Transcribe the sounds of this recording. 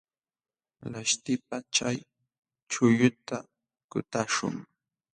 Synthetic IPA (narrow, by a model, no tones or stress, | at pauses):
laʃt̪ɪp̚at͡ʃaj | t͡ʃʊjʊt̪a | kʊt̪aʃʊ̰ŋ